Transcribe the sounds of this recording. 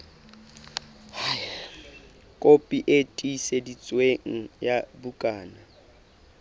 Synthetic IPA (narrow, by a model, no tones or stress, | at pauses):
h | kʼopʼiʔetʼisedit͡sʼweŋ̩jabukʼaːna